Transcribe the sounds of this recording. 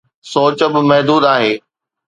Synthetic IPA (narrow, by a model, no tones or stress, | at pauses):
soːt͡ɕəbɪ̆mɐɦd̪uːd̪aːɦeː